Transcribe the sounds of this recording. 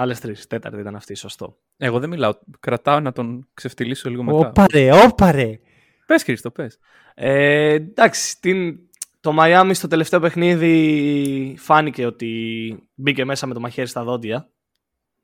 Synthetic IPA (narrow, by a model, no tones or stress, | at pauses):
ɐlest̪ɾist̪e̞t̪ɐ̰ɾt̪ɐit̪ɐnɐft̪iso̞st̪o̞̰ | e̞ɣoðemilɐokɾɐt̪ɐonɐt̪o̞nkse̞ft̪ilisoliɣomeoɐpɐɾeopɐɾe | pe̞sçɾist̪opes | ed̪ɐksi̥t̪in | t̪o̞mɐjɐmist̪o̞t̪e̞le̞ft̪e̞ope̞xniði | fɐnice̞o̞t̪ibice̞me̞sɐme̞t̪o̞mɐçe̞ɾist̪ɐðo̞d̪ʝɐ